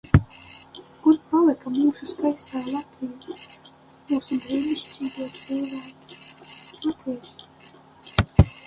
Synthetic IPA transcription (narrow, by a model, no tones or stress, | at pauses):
kuɾpalˠɨkamuːsuskajst̪aːlˠat̪viːu | muːsubɾiːnʲiʃt͡ʃʲiːɡuɔt̪sɨlˠvaːkʲi̥lat̪viɛʃ